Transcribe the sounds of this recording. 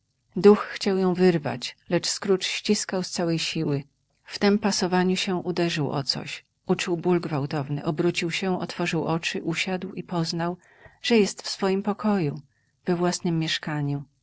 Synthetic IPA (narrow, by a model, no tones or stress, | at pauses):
d̪uxːt͡ɕawjɔ̃w̃vɘɾva̰t͡ɕlɛt͡ʂskɾut͡ʂɕt͡ɕiskawst̪sawɛjɕiwɘ | ft̪ɛmpasɔvaɲuɕɛʔud̪ɛʐɘwʔɔ̰t̪sɔ̰ɕ | ʔut͡ʂuwbulɡvawt̪ɔvnɘ̰ʔɔbɾut͡ɕiwɕɛɔ̰t̪fɔʐɘwʔɔt͡ʂɘʔuɕad̪wipɔznaw | ʐ̥ɛjɛst̪fsfɔjimpɔkʰɔju | v̥ɛvwasnɘmːjɛʂkaɲu